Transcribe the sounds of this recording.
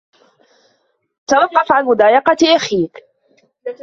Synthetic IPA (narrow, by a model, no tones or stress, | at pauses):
t̪awɑqːɑfʕanmʊd̪aːjɑqɑt̪ʔaxiːk